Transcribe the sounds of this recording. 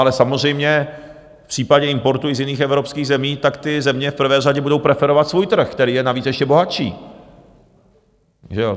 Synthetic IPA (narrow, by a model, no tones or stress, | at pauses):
alɛsamozr̝ɛjmɲɛ | fpr̥iːpaɟɛɪmpo̞ɾt̪ujɪzjɪniːxɛvɾo̞pskiːɣzɛmiːt̪akt̪ɪzɛmɲɛfpr̩vɛːraɟɛbudowpɾɛfɛɾo̞vat̪svuːjt̪r̩xkt̪ɛɾiːjɛnaviːt͡sɛʃcɛbo̞ɦat͡ʃḭː | ʒɛo